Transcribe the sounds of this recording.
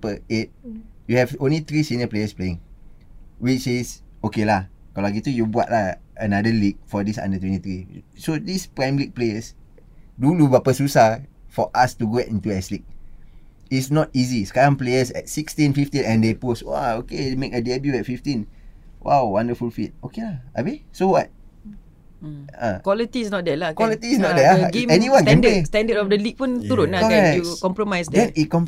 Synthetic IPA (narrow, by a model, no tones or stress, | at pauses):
pəet̚juhɛvõnlit̪ɹisĩnəplejəspleɪ̃ŋ | wit͡ʃisokelakɔlaɡitujubua̰t̚laənadəlik̚fɔdisã̰ndətwɛ̃ntit̪ɹisodispɹãj̃mlik̚pleəs | duluvapəsusafɔʔastuɡoɛtĩntuɛslik̚ | itsnɔt̚iziskaãmpleəsɛ̰t̚sikstĩnfiftĩnɛ̃ndeposwa̰okemekədɛbjuɛt̚fiftĩnwʔa̰wwãndəfulfit̚okelaabesowat̚ | a̰kwɔlitisnɔt̚dɛlakwɔlitisnɔt̚dɛlaɡɛniwãnkɛ̃nestɛ̃ndətɔfdəlik̚pũnt̪uɾũnlakɔɛukɔ̃mpɹomajsdɛ̃nikɔ̃m